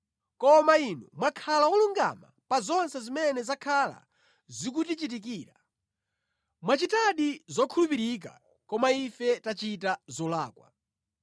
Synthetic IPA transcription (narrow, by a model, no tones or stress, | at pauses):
kɔmainṵmwakʰalaɔluŋɡa̰ma̰pazɔnsɛzimɛnɛzakʰala̰ | zik̬utit͡ʃit̬ikiːɾa | mwat͡ʃitaɗizɔkʰulupiɾik̬a̰ | kɔmaifɛtat͡ʃitazɔlaːkwa̰